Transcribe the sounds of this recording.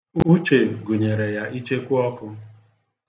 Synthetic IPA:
u˦t͡ʃe˨ɡu˨ɲe˨ɾe˨ja˦ʔi˦t͡ʃe˦kʷʊ˦ɔ˦kʊ˦

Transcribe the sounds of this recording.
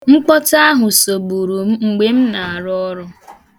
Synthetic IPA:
ŋ͡m̩˦k͡pɔ˦ta˦ɦʊ˨so˨bu˨ɾu˨m̩˦ŋ͡m̩˨ɡ͡be˦m̩˦na˨a˨ɾɔ˦ɔ˦ɾʊ˦

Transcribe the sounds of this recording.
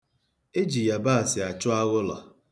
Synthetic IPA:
e˦d͡ʒi˨ja˨ba˦a˨sɪ˨a˨t͡ʃʊ˦a˦ɣʊ˦lɔ̰˨

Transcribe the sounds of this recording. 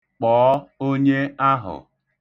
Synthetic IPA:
k͡pɔː˨˦o˦ɲe˦a˦ɦʊ̰˨

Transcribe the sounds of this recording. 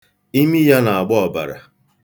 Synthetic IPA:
i˦mi˦ja˦na˨a˨ɡ͡bɔ˦ɔ˨ba̰˨ɾa̰˨

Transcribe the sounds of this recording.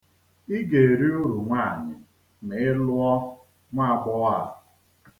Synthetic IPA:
i˦ɡe˨e˨ɾi˦ʊ˦ɾu˨ŋʷaː˦˨ɲɪ˨ | mɪ˨ɪ˦lʊ˦ɔ˦ | ŋʷa˦˨ɡ͡bʷɔ˦wa˦˨ʊ˨

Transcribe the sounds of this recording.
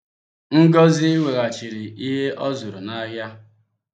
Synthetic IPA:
ŋ̩˦ɡɔ˦zɪ˦i˦we˨ɾa˨t͡ʃi˨ɾi˨i˦ɦe˦ʔɔ˦zu˨ɾu˨na˦ɦja˦

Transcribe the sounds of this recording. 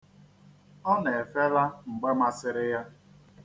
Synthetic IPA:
ɔ˦ne˨e˨fe˦la˦ŋ͡m̩˨ɡ͡be˦ma˦sɪ˦ɾɪ˦ja˦

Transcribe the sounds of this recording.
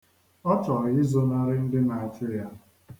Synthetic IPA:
ɔ˦t͡ʃɔ˨ɣɪ˦zo˦na˦ɾɪ˦n̩˦dɪ˦na˨a˨t͡ʃʊ˦ja˦

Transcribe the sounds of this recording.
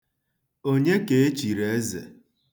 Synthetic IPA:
o˦ɲe˦ke˨e˦t͡ʃi˨ɾe˨e˦zḛ˨

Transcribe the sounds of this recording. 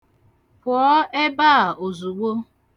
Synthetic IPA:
pʊ˨ɔ˦e˦ba˦˨o˨zu˨ɡ͡bo˦

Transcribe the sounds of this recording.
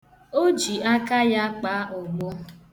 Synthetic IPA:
o˦d͡ʒi˨a˦ka˦ja˦k͡pa˦ʔʊ˨ɡ͡bo˦

